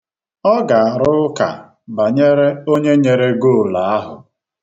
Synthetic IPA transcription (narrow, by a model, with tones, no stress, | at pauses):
ɔ˦ɡa˨a˨ɾʊ˦ka̰˨ | ba˨ɲe˦ɾe˦o˦ɲe˦ɲe˨ɾe˦ɡo˦˨la˨a˦ɦʊ˨